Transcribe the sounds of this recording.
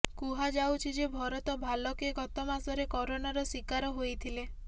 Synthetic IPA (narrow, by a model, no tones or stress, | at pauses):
kuɦad͡ʒawt͡ʃʰid͡ʒebʱɔɾɔt̪ɔbʱalɔkeɡɔt̪ɔmasɔɾekɔɾonaɾɔsikaɾɔɦojt̪ʰile